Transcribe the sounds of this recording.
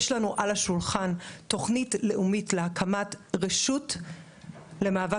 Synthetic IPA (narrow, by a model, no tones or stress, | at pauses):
ʃlanuʔalaʃulχanto̞χnitle̞ʔumitlehakʰamatʁeʃut | le̞maːva